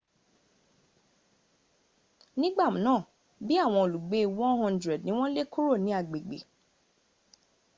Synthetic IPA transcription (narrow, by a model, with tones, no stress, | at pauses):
nĩ˦ɡ͡ba˦˨mũ˨nãː˦˨ | bi˦a˦˨w̃ɔ̃˧o˨lu˨ɡ͡be˨˦˧wɔ̃˦nɦɔ̃˦ndɾɛ˨dnĩ˦w̃ɔ̃˦le˦ko˦ɾo˦˨nĩ˨˦a˨ɡ͡be˨ɡ͡bḛ˨